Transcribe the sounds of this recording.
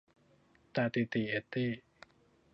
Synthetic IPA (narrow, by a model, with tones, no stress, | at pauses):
t̪aː˧t̪i˧˨t̪i˧˨ʔe˧˩t̪ːiː˥˩